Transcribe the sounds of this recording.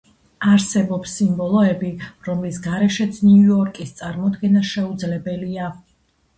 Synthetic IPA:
aɾsɛbɔpsːimbɔlˠɔɛbiɾɔmlisɡaɾɛʃɛt̪sʰniuɔɾkʼist̪sʼaɾmɔd̪ɡɛnaʃɛud̪zlɛbɛlia

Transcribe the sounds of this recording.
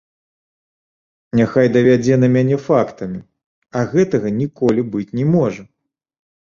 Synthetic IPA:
nʲaxajd̪ɐvʲad͡zʲɛnɐmʲanʲɛfakt̪ɐmʲi | ɐɣɛt̪ɐɣɐnʲikɔlʲibɨt͡sʲnʲɛmɔʐɐ

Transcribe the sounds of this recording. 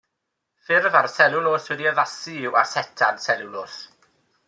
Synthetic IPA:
fɪrvaɾsɛlˠulˠoːswɛdiəðasiːwarsɛtʰansɛlɪwloːs

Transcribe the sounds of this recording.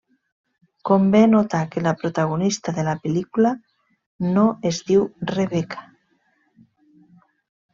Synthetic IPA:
kombenot̪akelapɾot̪aɣ̞onist̪aðelapelikula | noezd̪iwreβekʰḁ

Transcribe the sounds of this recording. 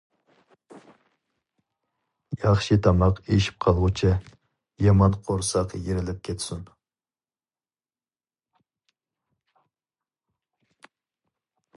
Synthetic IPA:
jɑχʃit̪ʰɑmlˠɑqeʃi̥p̚qʰɑlˠʁʊt͡ʃʰi | jɑmɑnqʰoɾsɑqjeɾɪlɪp̚kʲʰet̪sun

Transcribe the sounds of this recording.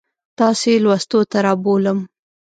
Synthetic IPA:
t̪ɑselwast̪ot̪aɾɑboləm

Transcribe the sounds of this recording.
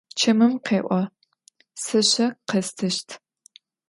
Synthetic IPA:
t͡ʃʰɐmɨmqeːʔʷɐ | sɐɕɐqɐstʰɨʃtʰ

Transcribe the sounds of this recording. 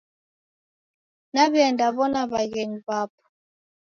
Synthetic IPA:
naβjɛndaβɔnaβaɣɛɲbap

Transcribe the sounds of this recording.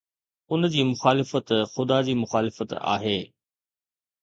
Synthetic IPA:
ʊnd͡ʑiːmʊxaːlɪfət̪xʊd̪ad͡ʑiːmʊxaːlɪfət̪a̰ːɦeː

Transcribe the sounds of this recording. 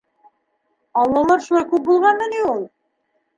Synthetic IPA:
ɑlˠːomɤɾʃulˠɑjkup̚bulˠʁɑnmɘniulˠ

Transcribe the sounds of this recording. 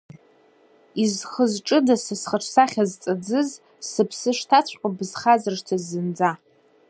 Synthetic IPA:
izχəzʈ͡ʂʼɨdasɨsχəʈ͡ʂʰsaχʲazt͡sʼɨd͡zɨz | sɨpʰsɨʂtʰat͡ɕʷʰʼqʼabɨzχazɨrʂtʰazːɨnd͡za

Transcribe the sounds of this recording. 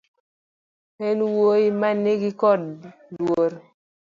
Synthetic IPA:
henwoimanːeɡɪkɔd | dwoɾ

